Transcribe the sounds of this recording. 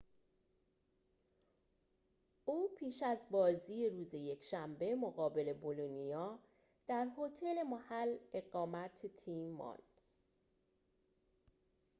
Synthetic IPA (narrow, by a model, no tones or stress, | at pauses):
ʔuːpʰiːʃæzbɒːziːeɾuːze̞je̞cʰʃæmbe̞moɣɒːbe̞le̞bolonijɒː | d̪̥æɾhot̪ʰe̞le̞mohæle̞ɣɒːmæt̪ʰet̪ʰiːmːɒ̰nd̪̥